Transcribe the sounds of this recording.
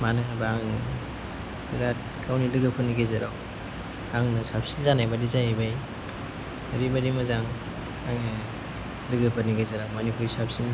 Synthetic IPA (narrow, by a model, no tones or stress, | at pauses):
manɯnbaaŋn | biɾat̚ | kawnilɯɡɯpʰɯniɡezaɾaw | aŋnɯsap̚sinzanajbadizaebaj | aɾibaɾimazaŋ | aŋnɯ | lɯɡɯpʰɯniɡezaɾawmɐnipuɾisap̚ʰsin